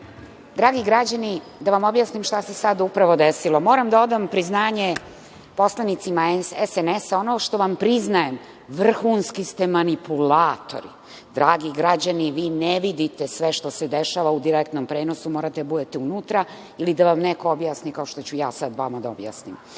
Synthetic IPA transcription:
d̪ɾaːɡiɡɾad͡ʑani | d̪aʋamo̞bjaːsnimʃt̪asesad̪upɾaʋo̞d̪esilo̞mo̞ːɾamd̪aod̪ampɾiznaːɲe | po̞slˠanit̪simaesenesao̞noʃt̪o̞ʋampɾiznajem | ʋr̩xunskist̪emanipulaːt̪o̞̰ɾḭ | d̪ɾaːɡiɡɾad͡ʑaniʋiːneʋid̪it̪esʋeʃt̪o̞sed̪eʃaːʋaud̪iɾek̚t̪nompɾe̞ːno̞sumo̞ːɾat̪ed̪abud̪et̪eunuːt̪ɾa | ilid̪aʋamnekoobjaːsnikao̞ʃt̪o̞t͡ɕujaːsad̪ʋamad̪aobja̰ːsnim

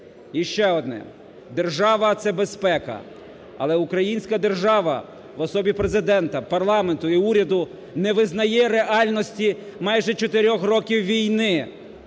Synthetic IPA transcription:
iʃt͡ʃɛɔd̪nɛ̰ | d̪erʒɑʋɐt̪sɛbespɛkɐ̰ | ɐ̰lˠɛukɾɐjinʲsʲkɐd̪erʒɑʋɐ̰ | ʋɔsɔbʲipɾezɪd̪ɛnt̪ɐpɐrlˠɑment̪ʊiuɾʲɐd̪ʊ | nɛʋɪznɐjɛɾeʔɑlʲnɔsʲtʲimɑjʒɛt͡ʃɔt̪eɾʲɔxrɔkʲiwʋʲijnɪ

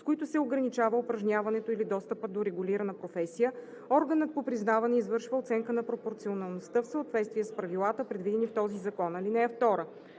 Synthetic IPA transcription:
skoit̪ʊsɛoɡɾɐnit͡ʃavəopɾɐʒnʲjavɐnɛt̪oilid̪ɔst̪əpəd̪oɾɛɡʊliɾɐnəpɾofɛsijə | ɔɾɡənət̪̚popɾiznavɐnɛizvɤɾʃvəot̪sɛŋkənɐpɾopoɾt̪sionɐlˠnost̪əfsəot̪vɛt̪st̪viɛspɾɐvilˠat̪əpɾɛd̪vid̪ɛnift̪ɔzizɐkɔnɐlinɛɛft̪ɔɾə

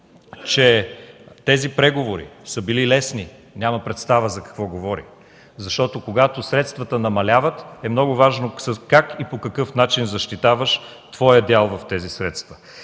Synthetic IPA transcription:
t͡ʃɛ | t̪ɛzipɾɛɡovoɾḭsəbililɛsni | nʲamɐpɾɛt̪st̪avəzɐkɐ̥kvɔɡovɔɾḭ | zɐʃt̪ɔt̪okoɡat̪osɾɛt̪st̪vət̪ənɐmɐlʲavət̪ɛmnɔɡʊvaʒnosəkakipokɐkɤfnat͡ʃinzɐʃt̪it̪avəʃ | t̪vɔjəd̪ʲalˠvɐft̪ɛzisɾɛt̪st̪və̥

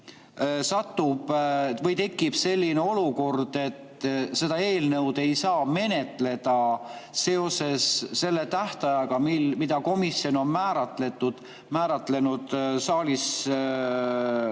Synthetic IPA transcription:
sɑt̪ːub̥vɤjt̪e̞kˑːib̥se̞lʲːineo̞luko̞rd̪̥e̞t̪se̞d̪ɑe̞ːlnɤwd̪̥e̞jsɑːme̞ne̞t̪le̞d̪̥ɑ | se̞o̞se̞sːe̞lːe̞t̪æht̪ɑjɑɡ̥ɑmilmid̪ɑko̞misjo̞no̞nmæːɾɑt̪le̞t̪ːˑud̪̥ | mæːɾɑt̪ˑle̞nud̪̥sɑːlis

